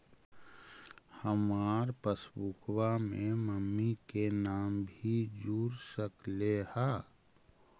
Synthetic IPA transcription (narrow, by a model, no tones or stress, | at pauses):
həmaːɾpəsbukwamẽməmːikenaːmbʱid͡ʒuːɾsəkleha